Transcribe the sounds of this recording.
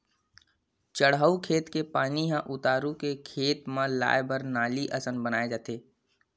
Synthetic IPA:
t͡ʃəɽaukʰeːt̪kepaːniɦãʔʊt̪aːɾũkekʰeːt̪mãla̰ːebəɾnaːliʔɐsənbənaːed͡ʒaːt̪eː

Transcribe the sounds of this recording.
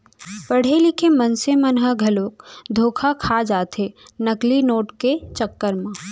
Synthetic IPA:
pɐɽ̤elɪkʰemɐnsemɐnɦəɡʱɐloːk̚d̪ʱoːkʰakʰad͡ʒaːt̪enɐklinoːʈket͡ʃɐkːəɾmã

